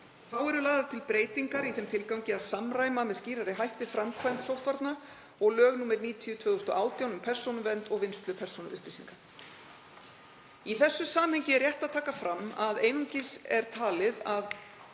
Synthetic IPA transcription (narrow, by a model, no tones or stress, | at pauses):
θawɛɾʏlaːðaɾt̪ʰɪlpɾeːjt̪iŋkaɾiθɛmt̪ʰɪlkawɲcɪaðsamraːjmamɛðsciːɾaɾɪɦajht̪ɪfɾamkʰvajnt̪sowht̪vaɾt̪na | ɔɣlœːɣnuːmɪɾniːt̪ʰiʏt̪ʰvœːðʏst̪ɔʔaːwt̪jawnʏmpʰɛr̥sownʏvɛnt̪ɔɣvɪnst̪lʏpʰɛr̥sonʏʏhplɪsḭŋkḁ | iθɛsːʏsaːmhɛɲcɪɛɾjɛht̪aðt̪ʰaːkafɾamːaðeːjnuŋcɪsɛɾ̥t̪ʰaːlɪðað